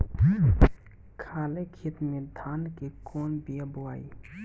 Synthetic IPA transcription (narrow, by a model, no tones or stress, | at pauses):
kʰaːlekʰit̪med̪ʱaːnkekɔːnbijəboaːi